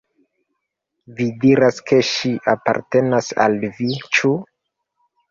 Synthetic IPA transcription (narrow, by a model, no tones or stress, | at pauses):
vidiɾaskʰe̞ʃiʔapa̰ɾtenasa̰lvit͡ʃu